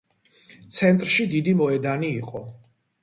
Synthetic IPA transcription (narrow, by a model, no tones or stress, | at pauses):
t̪sʰɛnt̪ʼɾʃid̪id̪imɔɛd̪aniːqʼɔ